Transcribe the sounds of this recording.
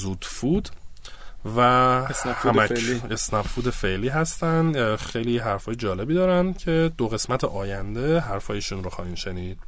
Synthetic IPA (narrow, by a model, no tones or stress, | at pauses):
zuːd̪̥fuːd̪̥ | væsnfæmæesnæbfuːd̪efeʔliːɦæst̪ænd̪xejliɦæɾfɒːjed͡ʒɒːle̞biːd̪ɒːɾænd̪cʰe̞d̪oɣe̞smæt̪ʰeʔɒːjænd̪e̞ɦæɾfɒːjeʃunɾoxɒ̰ːhiːnʃeniːd̪̥